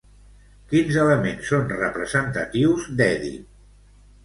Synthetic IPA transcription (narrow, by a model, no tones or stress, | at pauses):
kinzələmensːonrəpɾəzənt̪ət̪iwzd̪ɛðḭ